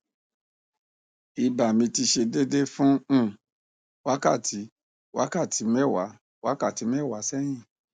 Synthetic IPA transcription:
i˨ba˨mĩ˧ti˧ʃe˧de˦de˦fũ˦˨ | wa˨˦ka˦˨ti˨˦ | wʔa˦ka˦˨tʰi˨˦mɛ˦˨wa˨˦ | wa˦ka˦˨ti˨˦m˦ɛ˦˨wa˨˦sɛ˦j̃ĩ˦˨

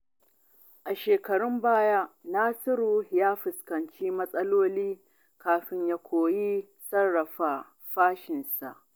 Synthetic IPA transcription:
ʔa˨ʃeː˨kɐ˨ɽʊ˦mbaː˦ja˦ʔnaː˦sɪ˦ɾuː˦jaː˦ɸɪ˨skɐ˨nt͡ʃiː˦mɐ˦sʼɐ˦loː˦liː˦ | kaː˨ɸɪ˦ɲjaː˦kʷʰoː˨ji˦ | sɐ˦rːɐ˨ɸaː˨ | ɸaː˦ʃɪ˨nsa̰˨ʔ

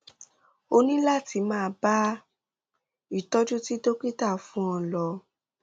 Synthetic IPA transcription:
o˧nĩ˦la˦˨ti˧mãː˦˧ba˦ | i˦˨tɔ˦d͡ʒu˦ti˦to˦ki˦ta˦˨fũ˦ɔ̃˧lɔ˧

